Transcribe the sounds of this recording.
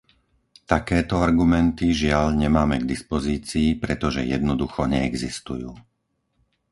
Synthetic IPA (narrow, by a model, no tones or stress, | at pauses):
t̪akɛːt̪ɔaɾɡumɛnt̪iʒɪaʎɲɛmaːmɛɡd̪ispɔziːt͡siːpɾɛt̪ɔʒɛ̰jɛd̪nɔd̪uxɔɲɛɛɡzist̪ujuː